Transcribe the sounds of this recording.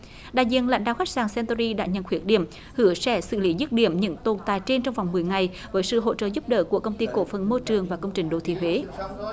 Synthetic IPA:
ɗa̰ː˧˨jzḭ˧˨ənla̰˧˥ŋ̟ɗa̰ː˧˨xa˦˥k̚saː˨˩ŋsɛ˧nt̪ɔ˧zi˧ɗa̰ː˧˥ɲə̰˧˨nxwi˨˦˥ət̚ɗḭ˧˩əm | hɨ˧˩əsɛ̰˧˩sɨ̰˧˨li˨˦zu˦˥t̚ɗḭ˧˩əmɲɨ̰˧˥ŋt̪o˨˩nt̪aː˨˩jt͡ɕe˧nt͡ɕɔ˧wŋ͡mva˨˩wŋ͡mmɨ˨˩əjŋa˨˩j | vəː˨˦jsɨ̰˧˨ɦo̰˧˥t͡ɕə̰ː˧˨zu˦˥p̚ɗə̰ː˧˨ku˧˩əkə˧wŋ͡mt̪i˧ko̰˧˥fə˨˩nmo˧jt͡ɕɨ˨˩əŋvaː˨˩kə˧wŋ͡mt͡ɕï˨˩ŋ̟ɗo̰˧˨˩t̪ʰḭ˧˨ɦwe˨˦

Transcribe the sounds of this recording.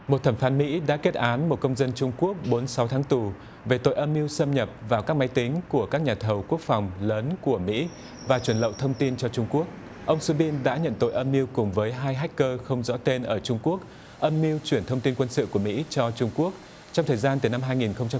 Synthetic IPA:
mo˨˩t̚t̪ʰə˧˩mfaː˨˦nmḭ˧˥ɗa̰ː˧˥ke˦˥t̚ʔaː˨˦nmo˨˩t̚kə˧wŋ͡mzə˧nt͡ɕʊ˧ŋ͡mku˦˥ək̚ɓo˨˦nsa˨˦wt̪ʰaː˨˦ŋt̪u˨˩ | ve˨˩t̪o̰˧˨jʔə˧mːi˧wsə˧mɲə˨˩p̚vaː˨˩wkaː˦˥k̚ma˨˦jt̪ï˨˦ŋ̟ku˧˩əkaː˦˥k̚ɲaː˨˩t̪ʰə˨˩wku˦˥ək̚fa˨˩wŋ͡mləː˨˦nku˧˩əmḭ˧˥ | vaː˨˩t͡ɕwə˧˩nlə̰˧˨wt̪ʰə˧wŋ͡mt̪i˧nt͡ɕɔ˧t͡ɕʊ˧ŋ͡mku˦˥ək̚ | ʔə˧wŋ͡msɨ˧ɓi˧nɗa̰ː˧˥ɲə̰˧˨nt̪o̰˧˨jʔə˧mːi˧əwkʊ˨˩ŋ͡mvəː˨˦jɦaː˧jɦa˦˥jk̟̚kəː˧xə˧wŋ͡mzɔ̰˧˥t̪e˧nʔəː˧˩t͡ɕʊ˧ŋ͡mku˦˥ək̚ | ʔə˧mːi˧əwt͡ɕwi˧˩ənt̪ʰə˧wŋ͡mt̪i˧nkwə˧nsɨ̰˧˨ku˧˩əmḭ˧˥t͡ɕɔ˧t͡ɕʊ˧ŋ͡mku˦˥ək̚ | t͡ɕɔ˧ŋ͡mt̪ʰəː˨˩jzaː˧nt̪ɨ˨˩na˧mɦaː˧jŋi˨˩nxə˧wŋ͡mt͡ɕa˧

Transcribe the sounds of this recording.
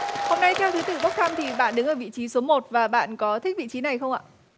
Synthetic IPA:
ho˧mna˧jt̪ʰɛ˧wt̪ʰɨ˨˦t̪ɨ̰˧˩ɓə˦˥k͡p̚t̪ʰa˧mt̪ʰi˨˩ɓa̰ː˧˨nɗɨ˨˦ŋʔəː˧˩vḭ˧˨t͡ɕi˨˦so˨˦mo˨˩t̚vaː˨˩ɓa̰ː˧˨nkɔ˨˦t̪ʰï˦˥k̚vḭ˧˨t͡ɕi˨˦na˨˩jxə˧wŋ͡mʔa̰ː˧˨

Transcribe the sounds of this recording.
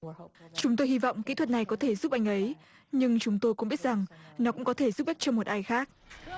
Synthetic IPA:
t͡ɕʊ˨˦ŋ͡mt̪̬o˧jhi˧vɔ̰˧˨wŋ͡mkḭ˧˥t̪ʰwə˨˩t̚na˨˩jkɔ˨˦t̪ʰe˧˩zu˦˥p̚ʔa˧˩jŋ̟ʔə˨˦j | ɲɨ˧ŋt͡ɕʊ˨˦ŋ͡mt̪o˧jkʊ̰˧˥ŋ͡mɓi˦˥t̚za˨˩ŋnɔ˨˦kʊ̰˧˥ŋ͡mkɔ˨˦t̪ʰe˧˩zu˦˥p̚ɓa˦˥k̚t͡ɕɔ˧mo˨˩t̚ʔaː˧jxaː˦˥k̚

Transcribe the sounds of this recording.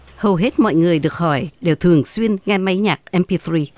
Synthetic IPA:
hə˨˩wɦe˦˥t̚mɔ̰˧˨jŋɨ˨˩əjɗɨ˨˩ək̚hɔ˧˩jɗe˨˩wt̪ʰɨ˨˩əŋswi˧ənŋɛ˧ma˧jɲaː˨˩k̚ʔɛ˧mpi˧θɹi˧

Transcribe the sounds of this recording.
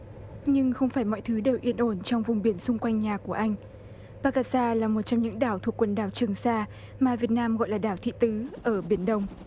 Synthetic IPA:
ɲɨ˧ŋxə˧wŋ͡mfaː˧˩jmɔ̰˧˨jt̪ʰɨ˨˦ɗə˨˩wʔi˧ənʔo˧˩nt͡ɕɔ˧wŋ͡mvʊ˨˩ŋ͡mɓi˧˩ənsʊ˧ŋ͡mkwa˧jŋ̟ɲaː˨˩ku˧˩əʔa˧jŋ̟ | ɓaː˧kaː˧saː˧laː˨˩mo˨˩t̚t͡ɕɔ˧ŋ͡mɲɨ̰˧˥ŋɗaː˧˩wt̪ʰu˨˩kːwə˨˩nɗaː˨˩wt͡ɕɨ˨˩əŋsaː˧ | maː˨˩vi˨˩ət̚naː˧mɣɔ̰˧˨jlaː˨˩ɗaː˧˩wt̪ʰḭ˧˨t̪ɨ˨˦ʔəː˧˩ɓi˧˩ənɗə˧wŋ͡m

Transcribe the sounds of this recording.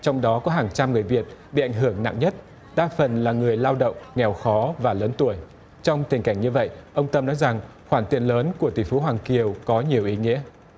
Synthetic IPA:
t͡ɕɔ˧wŋ͡mɗɔ˨˦kɔ˨˦ɦaː˨˩ŋt͡ɕa˧mŋɨ˨˩əjvi˨˩ət̚ɓḭ˧˨ʔa˧˩jŋ̟ɦɨ˧˩əŋna̰˧˨ŋɲə˦˥t̚ | ɗaː˧fə˨˩nlaː˨˩ŋɨ˨˩əjlaː˧wɗə̰˧˨wŋ͡mŋɛ˨˩wxɔ˨˦vaː˨˩ləː˨˦nt̪u˧˩əj | t͡ɕɔ˧wŋ͡mt̪ï˨˩ŋ̟ka˧˩jŋ̟ɲɨ˧və̰˧˨jʔə˧wŋ͡mt̪ə˧mnɔ˨˦jza˨˩ŋ | xwaː˧˩nt̪i˨˩ənləː˨˦nku˧˩ət̪i˧˩fu˨˦ɦwaː˨˩ŋki˨˩əwkɔ˨˦ɲi˨˩əwʔi˨˦ŋḭ˧˥ə

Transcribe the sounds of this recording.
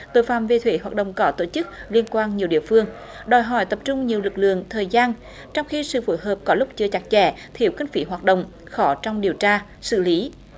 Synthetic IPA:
t̪o̰˧˨˦jfaː˧˨mve˨˩t̪ʰwe˧˩˦ɦwaː˨˩t̚ɗə̰˧˨wŋ͡mkɔ˨˦t̪o˧˩t͡ɕɨ˦˥k̚li˧ənkwaː˧nɲi˨˩əwɗḭ˧˨əfɨ˧əŋ | ɗɔ˨˩jɦɔ˧˩jt̪ə˨˩p̚t͡ɕʊ˧ŋ͡mɲi˨˩əwlɨ˨˩k̚lɨ̰˧˨əŋt̪ʰəː˨˩jzaː˧n | t͡ɕɔ˧wŋ͡mxi˧sɨ̰˧˨fu˧˦jɦəː˨˩p̚kɔ˨˦lʊ˦˥k͡p̚t͡ɕɨ˧ət͡ɕa˦˥k̚t͡ɕɛ˧˩t̪ʰi˧˩əwkï˧ŋ̟fi˨˦ɦwaː˨˩t̚ɗə̰˧˨wŋ͡m | xɔ˨˦t͡ɕɔ˧wŋ͡mɗi˨˩əwt͡ɕaː˧ | sɨ̰˧˨li˨˦

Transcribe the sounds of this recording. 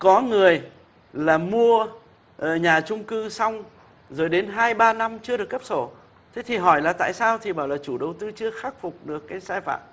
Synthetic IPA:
kɔ˨˦ŋɨ˨˩əj | laː˨˩mu˧ə | ʔə˧˩ɲaː˨˩t͡ɕʊ˧ŋ͡mkɨ˧sa˧wŋ͡m | zo˨˩jɗe˨˦nɦaː˧jɓaː˧na˧mt͡ɕɨ˧əɗɨ˨˩ək̚ːə˦˥p̚so˧˩ | t̪ʰe˨˦t̪ʰi˨˩ɦɔ˧˩jlaː˨˩t̪a̰ː˧˨jsaː˧wt̪ʰi˨˩ɓaː˧˩wlaː˨˩t͡ɕu˧˩ɗə˨˩wt̪ɨ˧t͡ɕɨ˧əxaː˦˥k̚fʊ˨˩k͡p̚ɗɨ˨˩əkːaː˨˦jsaː˧jfa̰ː˧˨m

